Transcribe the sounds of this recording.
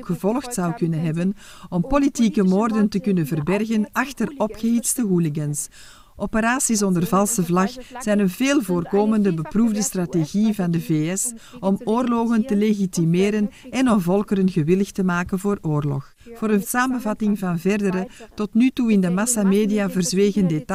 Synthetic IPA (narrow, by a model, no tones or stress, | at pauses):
kxəvɔlˠxtsɑwkɵnənɦɛbənɔmpolitikəmoːrdəntəkʏnənvərbɛrɣənɑxtərɔpxəɦitstəɦulɪɡəns | ʔɔpəɾaːsis̬ɔndərvɑlˠsəvlɑxz̥ɛjnənveːlˠvoːrkoːməndəbəpruvdəstrateɣivɑndəveːɛsɔmoːrlɔɣəntəleɣitimeːɾənɛnɔmvɔlˠkəɾənɣəʋɪləxtəmaːkənvoːroːrlɔ̰x | voːɾənsaːmənvɑtɪŋvɑnvɛrdəɾətɔtnytuɪndəmɑsameːdijaːvərzʋeːɣəndet